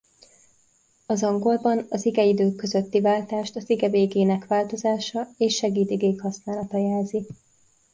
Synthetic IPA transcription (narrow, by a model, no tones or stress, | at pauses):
ɒzɒŋɡo̞lbɒnɒziɡɛid̪øːkːøzø̞t̪ːivaːlt̪aːʃt̪ɒziɡɛveːɡeːnɛkʋaːlt̪o̞zaːʃɒeːʃːɛɡiːt̪iɡeːkhɒsnaːlɒt̪ɒjɛːlzi